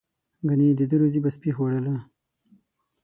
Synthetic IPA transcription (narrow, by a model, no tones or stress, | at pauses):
ɡanid̪əd̪əɾozibaspixwaɽala